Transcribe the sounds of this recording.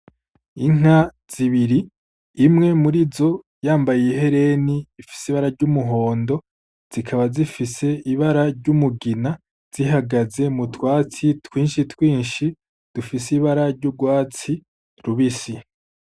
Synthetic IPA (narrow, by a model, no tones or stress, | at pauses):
iŋ̥a | z̥iβiɾiː | mŋe̞muɾizo̞ | jaːmbajijeɦe̞ɾe̞niːfi̥siβaɾaɾɟumuɦo̞ːndo̞ | z̥ikʰaβazifise̞iβaɾaɾɟumuɡina | z̥iɦaɡaze̞mutwaːt͡sitwiːnʃitwiːnʃi | d̥ufisiβaɾaɾɟuɡwaːt͡si | ɾuβisi